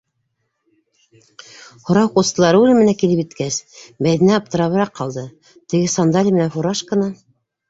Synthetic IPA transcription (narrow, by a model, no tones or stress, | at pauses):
hŏɾɑwqust̪ɤ̆lˠɑɾɤʉlɘmɘ̆nækilɘpit̪kæsbæjðɘ̆næɑp̚t̪ɤ̆ɾɑβɤ̆ɾɑqːɑlˠd̪ɤ | t̪ɘ̆ɡɘsɑnd̪alʲimɘ̆nænfuɾɑʃkɤ̆nɑ